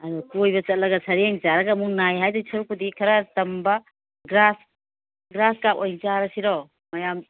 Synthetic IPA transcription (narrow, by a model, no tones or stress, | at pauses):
ɐɾutujbɐt͡ʃɐt̚lɐɡɐsʰɐɾeŋzaɾɐɡɐmuŋnajɦajdɔsɐɾukudikʰɐɾɐtɐmbɐ | ɡɾas | ɡɾaskap̚ojŋt͡ʃaɾɐsiɾɔ | mɐjam